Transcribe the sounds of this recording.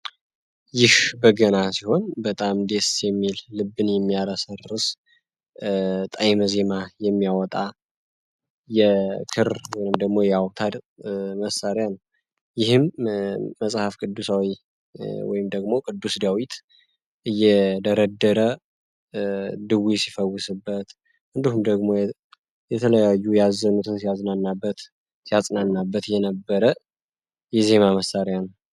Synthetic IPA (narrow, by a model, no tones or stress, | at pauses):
jɪhbəɡənasiho̞nbət̪ʼamd̪e̞sjɛmːilːɨbːɨnjɛmːijalasərɨs | t̪ʼajməze̞majɛmːijawɔt̪ʼa | jɛkʰɨɾwɔjnɨmd̪əɡmo̞jɛawt̪ʰad̪məsaɾjanəw | jɪhɨmː | əsʼhafkʼɨd̪ːusawi | wɔ̰jɪmd̪əɡmo̞kʼɨd̪ːusd̪awit̪ | ʔɨjːɛd̪əɾəd̪ːəɾə | d̪ɨwisifəwːʊsɨbːət̪ | ʔɨnd̪ihumd̪əɡmo̞j | jɛt̪ʰələjajːujazːənut̪ʰɨnsijaznanːabːət̪ | sijasʼnanːabːət̪jɛnəbːəɾə | jɛze̞naməsːaɾjanəw